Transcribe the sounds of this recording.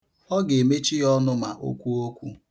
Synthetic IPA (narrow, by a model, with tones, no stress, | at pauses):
ɔ˦ɡe˨me˦t͡ʃi˦jɔ˦nʊ˦ma̰˨ʔo̰˦kʷu˦o˦kʷu˦